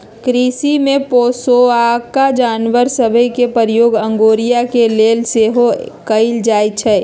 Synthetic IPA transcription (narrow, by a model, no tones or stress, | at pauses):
kɾisimẽpoːsoakad͡ʒaːnʋəɾsəbʱəikepəɾjoːɡə̃ŋɡoːɾijakeleːlseɦokəɪld͡ʒaːjt͡ʃʰɛː